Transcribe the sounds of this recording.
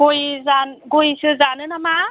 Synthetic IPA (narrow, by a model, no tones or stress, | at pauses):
ɡojzanɡojsɯzanɯnama